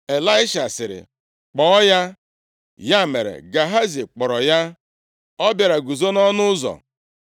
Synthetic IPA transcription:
e˨la˦ɪ˦ʃa˨sɪ˨ɾɪ̰˨ | k͡pɔ˨˦ja˦ | ja˦˨me˨ɾḛ˨ɡa˨ɦa˦zi˨k͡pɔ˨ɾɔ˨ja˦ | ɔ˦bja˨ɾa˨ɡu˨zo˦nɔ˦nʊ˦ʊ˦zɔ̰˨

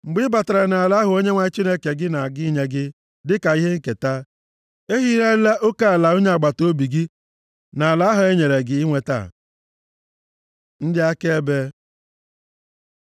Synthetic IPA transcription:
ŋ͡m̩˨ɡ͡bɪ˦ba˨ta˨ɾa˨na˨a˨la˦ɦʊ˨˦o˦ɲe˦ŋʷa˦t͡ʃi˦ne˦ke˨ɡɪ˦na˨a˨ɡɪ˦i˦ɲe˦ɡɪ˦ | dɪ˦ka˨i˦ɦe˦ŋ̩˦ke˨ta˦ | e˦ɦi˦ɾa˦la˦ʔo˦ka˦a˨la˨o˦ɲe˦a˨ɡ͡ba˨to˦bi˨ɡi˦ | na˨a˨la˦ɦʊ˨e˦ɲe˨ɾe˨ɡɪ˦ɪ˦ŋʷe˨ta̰˦˨ | n̩˦dɪ˦a˦ke˦e˦be˦

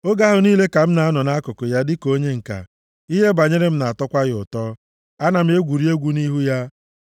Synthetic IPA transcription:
o˦ɡa˦ɦʊ˨niː˦le˦ka˨m̩˦na˨a˦nɔ˨na˦kʊ˨kʊ˨ja˦dɪ˦ko˦ɲe˦ŋ̩˨ka̰˨ | i˦ɦe˦ba˨ɲe˦ɾe˦m̩˦na˨a˨tɔ˦kʷa˦ɣɪ˦˨ʊ̰˨tɔ˦ | a˦na˨m̩˦e˦ɡʷu˨ɾi˦e˦ɡʷu˦ni˦ɦu˦ja˦

